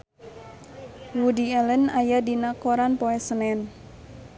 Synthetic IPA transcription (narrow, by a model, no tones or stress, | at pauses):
wudiɛlənajadinakoɾanpoɛsənɛn